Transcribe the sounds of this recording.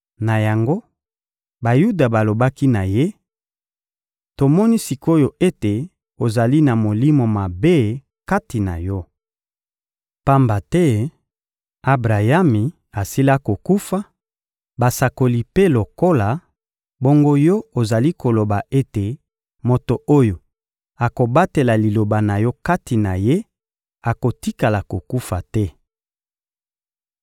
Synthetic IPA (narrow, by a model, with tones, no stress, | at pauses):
na˨ja˨ŋɡo˦ | ba˨ju˦da˨ba˨lo˨ba˦ki˦na˨je˦ | to˨mɔ˦ni˦si˨ko˦jo˨ʔe˦te˨ | o˨za˨li˦na˨mo˨li˦mo˨ma˨be˦ | ka˦ti˨na̰˨jɔ˦ | pa˦mba˨tɛ˦ | a˦bʁa˨ja˦mi˨ | a˨si˦la˦ko˨ku˦fa˦ | ba˨sa˨ko˨li˨pe˦lo˨ko˦la˨ | bo˦ŋɡo˦jɔ˦o˨za˨li˦ko˨lo˨ba˨ʔe˦te˨ | mo˨to˨ʔo˦jo˨ | a˨ko˨ba˦te˨la˨li˨lo˨ba˨na˨jɔ˦ka˦ti˨na˨je˦ | a˨ko˨ti˦ka˨la˨ko˨ku˦fa˨tɛ˦